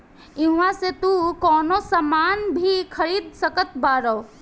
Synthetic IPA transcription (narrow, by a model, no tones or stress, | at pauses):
ɪɦʋãset̪ukɔːnosamaːnbʱikʰɐɾiːd̪̚səkət̪baːɾəw